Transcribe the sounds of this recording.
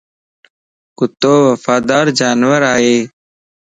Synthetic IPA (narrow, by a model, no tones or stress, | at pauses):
kʊt̪oːʋəfaːd̪aːɾd͡ʒaːnwəɾaːeː